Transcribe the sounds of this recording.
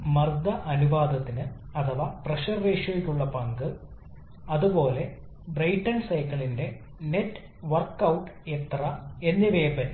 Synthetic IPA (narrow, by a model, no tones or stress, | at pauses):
mɐrd̪ɐʔɐnuʋaːd̪ɐt̪ːinɨɐt̪ʰɐʋaːprɐʂɐrːeːʂoʋekʲːuɭːɐpɐŋɡɨ | ɐðupo̞ːle̞ | brɐjʈːɐnsɐjkːɐɭinde̞ | netː | ʋɐrkːɐwʈːet̪rɐe̞nːiʋeːbɐn